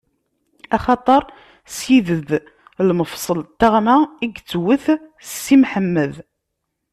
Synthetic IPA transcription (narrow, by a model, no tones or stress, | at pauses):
æχɑt̪ˤəɾˤ | sjiðəð | lməfsˤəlt̪ːaʁmaiɡt͡sːwəθsːimħəmːəð